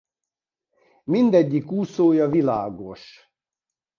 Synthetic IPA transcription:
mind̪ɛɟːikuːsoːjɒvila̰ːɡoʃ

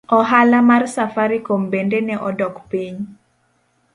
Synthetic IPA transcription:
ɔɦalamarsafaɾikombendenɛʔɔdɔkpiɲ

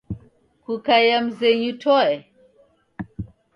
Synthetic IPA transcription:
kukajam̩zɛɲutʰɔɛ

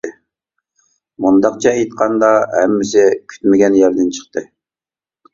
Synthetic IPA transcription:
mund̪ɑqt͡ʃʰɑejt̪̚qʰɑnd̪ɑɦɛ̰mːɪsɪkʲʰy̥t̪mɪɡʲɛnjæɾd̪ɪnt͡ʃʰə̥χt̪ɨ

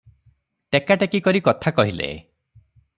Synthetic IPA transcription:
ʈekaʈekikɔɾikɔt̪ʰakɔɦilḛ

